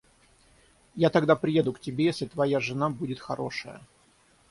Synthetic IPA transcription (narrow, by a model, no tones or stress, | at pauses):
jat̪ɐɡd̪apɾʲɪjed̪ʊktʲɪbʲejesʲlʲɪt̪vɐjaʐɨnabudʲɪt̪xɐɾʔo̞̰ʂəjə̰